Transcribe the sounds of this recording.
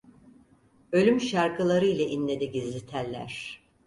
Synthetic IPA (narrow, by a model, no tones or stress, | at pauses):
ø̞lʲymʃaɾkɯlˠaɾɯilʲɛʔinlʲe̞d̪iɟizlʲit̪ʰælʲːæ̰ɾ̥